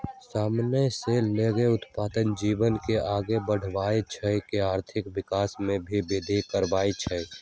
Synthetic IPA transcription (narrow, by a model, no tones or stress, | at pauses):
saːmnəseleːɡeʊt̪paːd̪ənd͡ʒiːʋənkeʔaːɡebəɽ̤ʋaːet͡ʃʰəkeaːɾt̪ʰɪkʋɪkaːsmẽbʱibeːd̪ʱikəɾʋaːet͡ʃʰəj